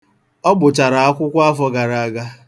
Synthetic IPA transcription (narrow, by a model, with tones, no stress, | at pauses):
ɔ˦ɡ͡bʊ˨t͡ʃa˨ɾa˨a˦kʷʊ˦kʷa˦fɔ˦ɡa˨ɾa˨a˨ɡa˦